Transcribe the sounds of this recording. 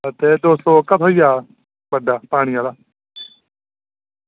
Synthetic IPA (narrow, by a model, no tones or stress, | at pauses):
ət̪eːd̪oːst̪oːkət̪ʰɦoːijaː | bəɖaːpaːɽ̃iːaːlaː